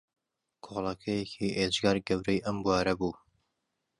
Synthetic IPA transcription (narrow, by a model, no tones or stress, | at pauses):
kʰolˠɐkʰɐjɛkʰiːʔed͡ʒɡɑːɾɡɐwɾɛjʔɐmbuɑːɾɐbuː